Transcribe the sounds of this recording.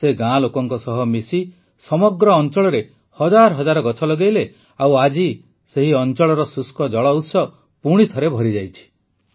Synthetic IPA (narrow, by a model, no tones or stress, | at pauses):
seɡãlokɔŋkɔsɔɦɔmisi | sɔmɔɡɾɔːnt͡ʃɔɭɔɾe | hɔd͡ʒaɾɔɦɔd͡ʒaɾɔɡɔt͡ʃʰɔlɔɡejle | awad͡ʒi | seɦiɔnt͡ʃɔɭɔɾɔsuskɔd͡ʒɔɭɔut̪sɔ | puɽ̃it̪ʰɔɾebʱɔɾid͡ʒajt͡ʃʰi̥